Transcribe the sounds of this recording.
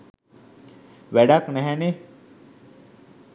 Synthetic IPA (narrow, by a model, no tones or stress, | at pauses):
ʋæɖaknɛɦɛne